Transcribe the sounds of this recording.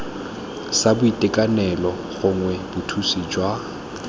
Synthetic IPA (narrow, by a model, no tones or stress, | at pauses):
sabʊitʼɪkʼanɛlɔ | ɣʊŋwɛbʊtʰusid͡ʒwa